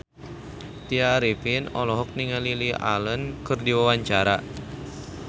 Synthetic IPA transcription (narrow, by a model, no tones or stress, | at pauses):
t̪iaɾipinɔlɔɦɔk̚niŋalilia̰lənkɨrdiwawaɲt͡ʃaɾa